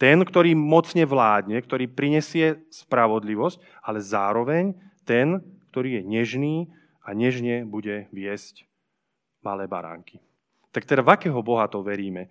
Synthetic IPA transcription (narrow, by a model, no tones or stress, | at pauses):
t̪ɛnkt̪ɔɾiːmɔt͡sɲɛʋlaːd̪ɲɛkt̪ɔɾiːpɾiɲɛsɪɛspɾaʋɔd̪liʋɔsc | alɛzaːɾɔʋɛɲt̪ɛnkt̪ɔɾiːjɛɲɛʒniː | aɲɛʒɲɛbuɟɛʋɪɛsc | malɛːba̰ɾa̰ːŋki̥ | t̪ak̚t̪ɛdavakɛːɦɔbɔɦat̪ɔʋɛɾiːmɛ